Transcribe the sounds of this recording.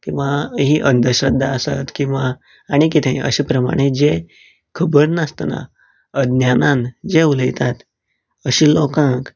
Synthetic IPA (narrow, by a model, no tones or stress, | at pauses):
kĩw̃ʋaɦiːʔənd̪əɾɕɾəd̪ʱːaəsa̰t̪kĩw̃ʋaː | ɽ̃ik̬it̪ʰeĩʔə̰ɕiːpɾəma̰ɽ̃ed͡ze | kʰəbəɾnəst̪na̰ | əd̪njanand͡zeuləjt̪at̪ | əɕiːlokãk